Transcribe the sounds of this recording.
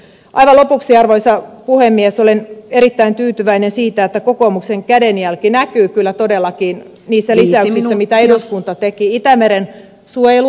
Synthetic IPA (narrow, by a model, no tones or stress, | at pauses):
ʔɑ̰iʋɑlopuksiɑrʋoisɑpuhemːiesoleneɾit̪ːæint̪yːt̪yʋæinensiːt̪æet̪ːækokomukseŋkædenjælkinækyːkylːæt̪odelːɑkiːn | niːsːælisæysisːæmit̪æeduskunt̪ɑt̪ekiit̪æmeɾen | suojelu